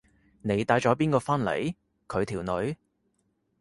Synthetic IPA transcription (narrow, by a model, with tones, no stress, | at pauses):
ne˨˧jt̪aː˨˥jt͡ʃɔː˨˥p̬iː˥nkɔː˧fɐ˥nlḛ˨˩j | kʰɵ˨˧ɥt̪ʰiː˨˩wnɵ˨˧ɥ